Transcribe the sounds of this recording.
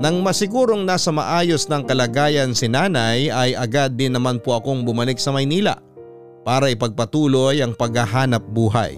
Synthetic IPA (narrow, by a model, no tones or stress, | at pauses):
nɐŋmɐsɪɡuːɾo̞ŋnaːsɐmɐ̰ʔaːjo̞snɐŋkɐlɐɡaːjɐnsɪnaːnɐjɐjʔɐɡad̪̚ːɪnːɐmanpoʔɐko̞ŋbʊmɐlɪk̚sɐmɐjniːlɐ̰ʔ | paːɾɐɪpɐɡ̚pɐt̪uːlo̞jɐŋpɐɡɐɦaːnɐp̚buːɦɐ̰j